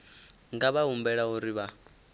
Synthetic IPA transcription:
ŋɡaβaumbɛɺauɾiβa

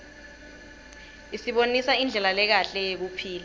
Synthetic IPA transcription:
isiɓonisaind͡ɮʱɛlalɛk̬aɬɛjek̬upʰiːla

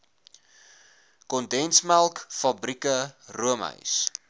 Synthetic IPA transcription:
kɔndɛnsmælˠkfɐbrikəruəmɦə̰ɥs

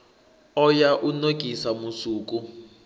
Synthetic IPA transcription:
ɔjaʔunokʼisamusuːkʼu

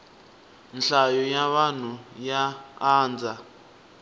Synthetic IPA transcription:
nɬajɔjaβan̤ujaaːnd͡za

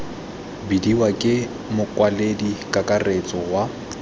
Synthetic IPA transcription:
bidiwakʼɪ | mʊkʼwaledikʼakʼaret͡sʼɔwa

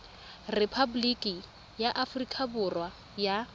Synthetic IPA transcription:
repʰabulikʼi | jaʔafʊrikʰʼabʊrwa | ja

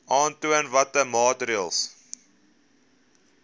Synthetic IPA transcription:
ʔɑːntuənvɐtəmɑːtɾiəlˠs

